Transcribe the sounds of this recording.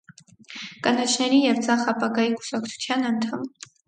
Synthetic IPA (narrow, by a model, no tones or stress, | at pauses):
kɑnɑt͡ʃʰnɛɾijɛvd͡zɑχɑpɑɡɑjiku̥sɑkt͡sʰu̥t͡sʰjɑnɑnt̪ʰɑm